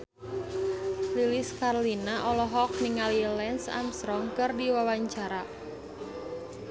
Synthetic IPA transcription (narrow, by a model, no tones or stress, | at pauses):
lilɪskarlinaʔɔlɔɦɔk̚niŋalilɛnsa̰msɾɔŋkərdiwawaɲt͡ʃaɾa